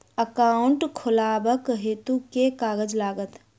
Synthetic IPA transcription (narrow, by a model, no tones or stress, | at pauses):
əkaʊɳʈkʰʊlaːbəkɦeːt̪ukekaːɡəd͡ʒlaːɡət̪